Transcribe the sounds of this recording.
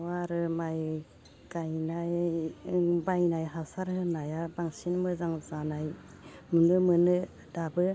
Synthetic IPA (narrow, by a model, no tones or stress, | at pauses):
waɾɯmaj | ɡajnaj | bajnajɦasaɾhɯnajabaŋsinmɯzaŋzanaj | mɯnɯmɯnɯ | dabɯ